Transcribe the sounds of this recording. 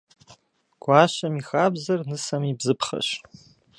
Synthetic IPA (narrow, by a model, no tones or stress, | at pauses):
ɡ̥ʷaːʃɐmixaːbzɐrnɨsɐmibzɨpʰχɐ̰ʃ